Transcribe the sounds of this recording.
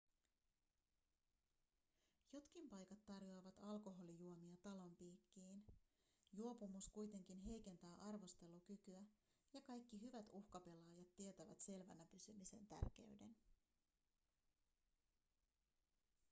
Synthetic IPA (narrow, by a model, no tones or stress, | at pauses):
jo̞t̪kimpɑjkɑt̪ːɑrjo̞ɑʋɑt̪ɑlko̞ɦo̞lijuomiɑt̪ɑlo̞mpiːkːiːn | juo̞pumuskujt̪e̞ŋk̟inɦe̞jk̟e̞nt̪æːʔɑrʋo̞st̪e̞lːuk̟ykyæ | jɑkɑjkːiɦyʋæt̪uhkɑpe̞lɑːjɑt̪ːiet̪æʋæ̰t̪se̞lʋænæpysymise̞nt̪æ̰rk̟e̞̰yde̞̰n